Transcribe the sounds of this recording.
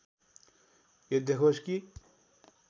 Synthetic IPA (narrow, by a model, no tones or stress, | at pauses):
jed̪ekʰot͡ʃki